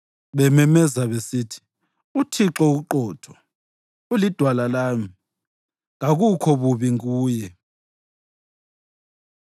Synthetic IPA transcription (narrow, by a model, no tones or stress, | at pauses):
βɛmɛmɛzaβesiːtʰi̥ | utʰiǁɔuɣuǃɔːtʰɔ̥ | ulid̥ʱwalalaːmi | ŋaɣukʰɔβuβiŋuːjɛ